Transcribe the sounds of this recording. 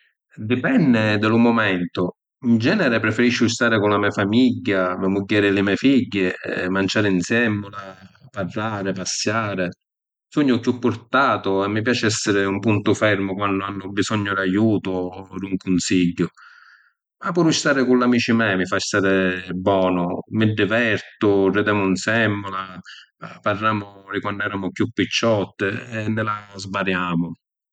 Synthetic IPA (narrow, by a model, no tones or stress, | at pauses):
d̪ipɛnːɪd̪ɪlʊmʊmɛnt̪ʊ | ind͡ʒɛːnɛɾɪpɾɛfɛɾiʃːʊust̪aːɾɪkʊnlamiːafamiɟːamamuɟːaːɾɪlɪmɛːfiɟːɪmant͡ʃaːɾɪinsjɛmːʊlaparlaːɾɪpasːjaːɾɪ | sɔɲːʊkːupːʊɾt̪aːt̪ʊɛmːip̬jaːt͡ʃɪɛsːɪɾɪumpunt̪ʊfɛɾmʊkwanːʊanːʊbisɔɲːʊd̪ajuːt̪ʊd̪uŋkʊnsiɟːʊ | mapːuɾust̪aːɾɪkulːamiːt͡ʃimɛːmɪfast̪aɾɪbɔːnʊmɪd̪ːɪvɛɾt̪ʊrɪd̪ɛːmʊunsɛmːʊla | parːaːmʊɾɪkwandʊɛɾaːmʊkjupːit͡ʃːɔt̪ːɪɛnːɪlazbaɾjaːmʊ